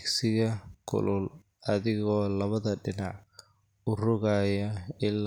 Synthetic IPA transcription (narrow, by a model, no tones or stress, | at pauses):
ksɪɣɐkʰʊ̰lʊl | ɐðɪɣɔːlɐβɐðɐɖɪnɑʕ | ʊrʊɣajɐɪl